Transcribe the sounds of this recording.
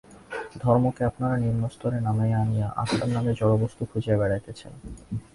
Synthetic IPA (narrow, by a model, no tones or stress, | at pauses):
d̪ʱɔɾmokeapnaɾaniɾnost̪ʰɔɾenameanijaʔa̰ʃannamed͡ʑɔɽobost̪ukʰud͡ʑeebɛɽajt̪et͡ɕʰḛn